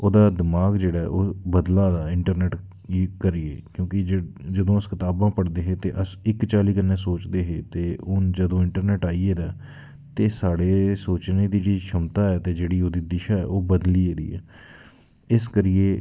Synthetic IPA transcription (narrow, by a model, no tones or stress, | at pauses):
oːd̪aːd̪ɪmaːɡd͡ʒeːɽaːɛoːbəd̪lãːd̪aːɪɳʈəɾnɛːʈː | kəɾiḛːkjõːkɪd͡ʒəd̪õːəskɪt̪aːbãːpəɽd̪eːɦeːt̪eːʔəsɪkt͡ʃaːliːkənːeːsoːt͡ʃd̪eːɦeːt̪eːʔʊnd͡ʒəd̪õːɪɳʈəɾnɛːʈaːieːd̪aː | t̪eːsaːɽeːsoːt͡ʃnẽːd̪iːt͡ʃiːzʃʰəmt̪aːɛːt̪eːd͡ʒeːɽiːoːd̪iːd̪ɪʃaːɛ̰ːoːbəd̪liːeːd̪ḭːɛ̰ː | ɪskəɾɪjeː